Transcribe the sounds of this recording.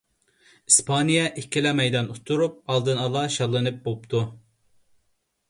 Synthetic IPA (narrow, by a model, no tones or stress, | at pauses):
ispʰanijɛʔikʲʰːilɛmɛjd̪ɑnut̪ʰːuɾup̚ɑlˠd̪ɯnɑlˠɑʃɑlˠːɯnɯp̚bopt̪ʰu